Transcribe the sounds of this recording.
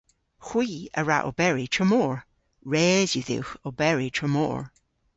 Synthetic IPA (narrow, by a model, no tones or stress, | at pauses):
xw̥iːə̰ɹa̰ʔo̰bɛɹitʰɹəmɔːɹ | ɹɛːzjuðɪ̰wxobɛɹitʰɹəmɔo̰ːɹ